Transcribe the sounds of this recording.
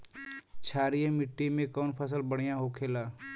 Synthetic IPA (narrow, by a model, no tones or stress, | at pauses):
t͡ʃʰaːɾijemɪʈːimẽkɔːnpʰəs̬əlbəɽ̤ijãɦokʰeːlaː